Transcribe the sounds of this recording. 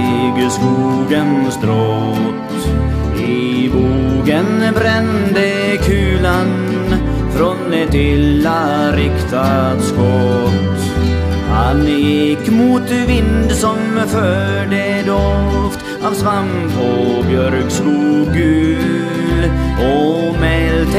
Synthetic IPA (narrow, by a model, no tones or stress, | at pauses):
ɡskuːɡənsd̪ɾɔ | t̪ | ɪ | buːɡənbɾɛnd̪ə | kʰʉːlan | fɾɔnd̪ɛt̪ɪlːa | ɾɪkt̪ʰat̪skɔt̪ | hanjɪkːmuːt̪vɪnd̪sɔmfœː | ɖə | d̪oft̪ | aːvsvaŋ | pʰɔbjœɾkskuːɡʉ | lɔmɛlt̪